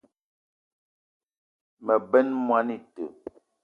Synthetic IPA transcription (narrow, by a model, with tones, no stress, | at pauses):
mɛ˨bɛ˦nmwa˨˦ni˨tə˨